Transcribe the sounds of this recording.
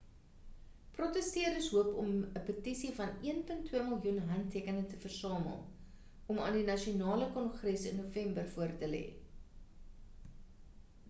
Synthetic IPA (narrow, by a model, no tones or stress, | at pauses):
prɔtəstiərəsɦuəpɔməpətisifɐniənpəntʰːwiəməlˠjunɦɐntːiəkənətəfərsɑːmə̰lˠ | ɔmɑ̰ːndinɐʃiunɑːləkɔnχrɛsə̰nːuəfɛmbərfuərtəlɛ̰ː